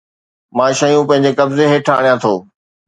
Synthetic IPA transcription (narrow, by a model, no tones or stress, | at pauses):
mãːʃɐjũpɐ̃ɦɪ̃ɲ̆d͡ʑekɐbzeɦeːʈʰa̰ːɽ̤jãt̪ʰoː